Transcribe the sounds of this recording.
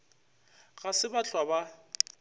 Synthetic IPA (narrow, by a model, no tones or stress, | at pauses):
ɣasɪbat͡ɬʰwaba